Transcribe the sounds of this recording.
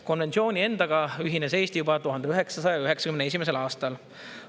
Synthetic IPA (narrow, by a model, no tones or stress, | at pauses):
ko̞nve̞nt̪sio̞ːnʲie̞nd̪ɑɡ̥ɑyɦinese̞ːst̪ijubɑt̪uɦɑnd̪̥eyɦe̞ksɑsɑjɑyɦe̞ksɑ̥kymne̞s̬imeselɑːst̪ɑl